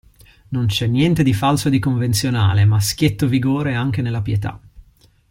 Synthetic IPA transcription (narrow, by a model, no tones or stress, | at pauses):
nont͡ʃɛnːjɛnt̪ed̪ifalsod̪ikoɱvent̪sjona̰ːlemask̟jet̪ːoviɡoːɾeaŋk̟enelːapjet̪a̰